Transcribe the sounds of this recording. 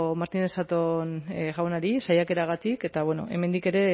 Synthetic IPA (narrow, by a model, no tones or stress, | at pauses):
maɾt̪inesat̪onɣawnaɾisajake̞ɾaɣ̞at̪ike̞t̪aβweno̞̰ʔe̞̰me̞nd̪ike̞ɾe̞